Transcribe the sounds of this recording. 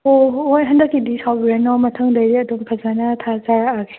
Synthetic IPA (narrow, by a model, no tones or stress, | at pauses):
oojɦɐndɐkːidisawbiɾanɔmɐtʰɐŋdɐjɾiɐdumpʰɐzanɐtʰazaɾaaɡe